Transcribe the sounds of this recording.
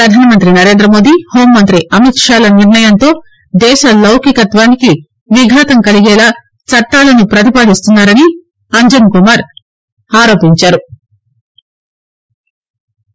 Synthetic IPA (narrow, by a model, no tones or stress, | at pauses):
ɾɐd̪ʱaːnɐmɐnt̪ɾinɐɾe̞ːnd̪ɾɐmo̞ːd̪ihoːmːɐnt̪ɾiʔɐmit̪ʂaːlɐniɾɳɐjɐnt̪o̞ː | d̪ɛːʃɐlɐwkikɐt̪ʋaːniki | ʋiɡʱaːt̪ɐmkɐliɡɛːlaː | t͡sɐʈːaːlɐnupɾɐt̪̬ipaːɽist̪unːaːɾɐni | ɐɲd͡ʒɐnkumaːɾ | aːɾo̞ːpiɲt͡ʃaːɾu